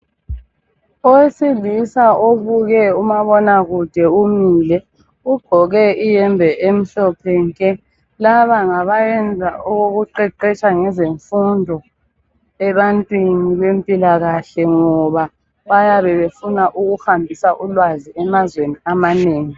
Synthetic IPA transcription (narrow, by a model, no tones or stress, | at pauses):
ɔwesilisaʔoβuɣɛumaβɔnaɣud̥ʱɛumiːlɛ | uɡ͡ǃ̥ʱɔɣɛijɛmbʱɛʔem̩ɬɔpʰɛŋkʼɛ | laβaŋaβajɛnd͡zʱaoɣoɣuǃɛǃɛt͡ʃʼaŋɛzeɱfundʱɔ | ɛβantʼwiniβempʼilaɣaɬɛŋɔβa | βajaβɛβefunaʔuɣuxambʱisaʔulwaziɛmazweniamaneːŋi